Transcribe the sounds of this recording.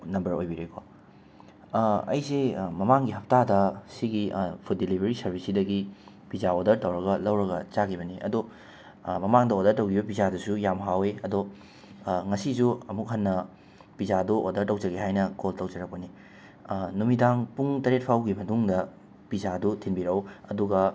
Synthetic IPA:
nɐmbɐɾojbiɾekʰo | ɐ̰jsemɐmaŋɡiɦɐp̚tadɐsiɡipʰut̚dilibʱɐɾisɐɾbʱisidɐɡi | pizaodɐɾtɐwɾɐɡɐlɐwɾɐɡɐt͡ʃakʰibɐniʔɐ̰do | mɐmaŋdɐodɐɾtɐwɡibɐp̬izadɐsujamɦaweɐdo | ŋɐsisuɐmuk̚ɦɐnːɐ | pizadoʔodɐɾtɐwd͡ʒɐɡeɦajnɐkoltɐwd͡ʒɐɾɐk̚pɐni | numidaŋpuŋtɐɾet̚pʰawɡimɐtuŋdɐ | pizadutʰinbiɾɐwɐduɡɐ

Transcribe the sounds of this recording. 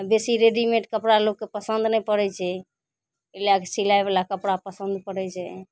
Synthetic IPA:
besiɾeɖimẽʈkəpɽalokːepəsənd̪nɛjpəɽɛt͡ʃʰɛ | elakesilajbelakəpɽapəsə̃nd̪pəɽɛt͡ʃʰɛ

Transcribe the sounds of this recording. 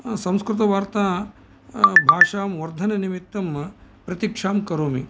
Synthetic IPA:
sɐ̃mskɾut̪̬ɐʋaːɾt̪aː | bʱaːʂaːmʋɐɾd̪ʱɐnɐnimit̪ːɐmpɾɐt̪ikʂaːmkɐɾoːmi

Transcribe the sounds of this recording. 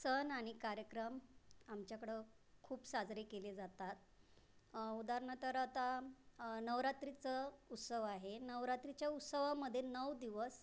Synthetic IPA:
sənaɽ̃ikaɾjəkɾəmamt͡ɕjakəɽe | kʰuːpsad͡zɾekeled͡zat̪at̪̚ | ud̪aɾɳət̪əɾat̪a | nəʋɾat̪ɾit͡səut̪səʋaɦenəʋɾat̪ɾit͡ɕjaut̪səʋaməd̪ʱːjenəʋd̪iʋəs

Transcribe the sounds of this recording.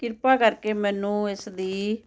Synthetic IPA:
kɪɾpaːkəɾkeːmɛːnũːɪsd̪iː

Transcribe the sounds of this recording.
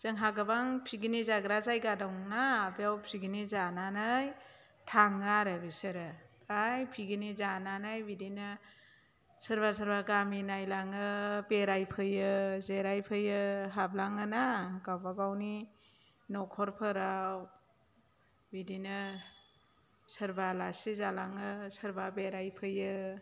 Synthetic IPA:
z̥ɯŋɦaɡabaŋpʰiɡinizaɡɾazajɡadɔwŋnaːbjawpʰiɡinizananaj | tʰaŋaɾabisɯɾɯ | ajpʰiɡinizananajbidinɯ | səɾbasəɾbaɡaminajlaŋɯbeɾajpʰɯjɯzeɾajpʰɯjɯɦablaŋɯnaɡawbabawni | nɔkʰɔɾpʰɯɾaw | bidinɯ | səɾbalasizalaŋɯsəɾbabeɾajpʰɯjɯ

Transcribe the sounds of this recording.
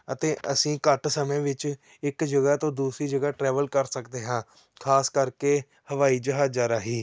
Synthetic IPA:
ət̪eːʔəsĩːkəʈsəmẽːʋɪt͡ʃ | ɪkd͡ʒəɡaːt̪õːd̪uːsɾiːd͡ʒəɡaːʈɾɛːʋəlkəɾsəkd̪eːɦãː | kʰaːskəɾkeː | həʋaːiːd͡ʒəɦaːd͡ʒaːɾaːɦiː

